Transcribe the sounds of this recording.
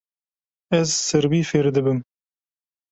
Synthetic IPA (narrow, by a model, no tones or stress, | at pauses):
ɛzsɨɾbiːfeːɾd̪ɨbɨm